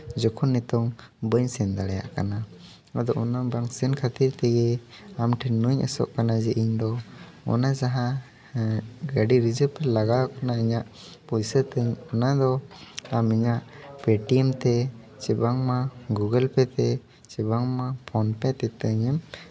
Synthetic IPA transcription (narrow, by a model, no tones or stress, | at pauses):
d͡ʒɔkʰɔnːɛt̪ɔŋbəɲsɛnd̪aɽɛja̰ʔka̰na | ad̪ɔʔɔnabaŋsɛnkʰat̪iɾt̪ɛɡɛamʈʰinuɲʔa̰sɔ̰ʔkanad͡ʒɛʔiɲd̪ɔ | ɔ̰nad͡ʒaɦa | ɡaɖiɾid͡ʒəpɛlaɡawkanaiɲaʔ | pujsət̪əɲɔnad̪ɔamɛɲaʔpeʈiɛmt̪ɛ | t͡ʃɛbaŋmaɡuɡəlpɛt̪ɛ | t͡ʃɛbaŋmapʰɔnpɛt̪ɛt̪əɲɛm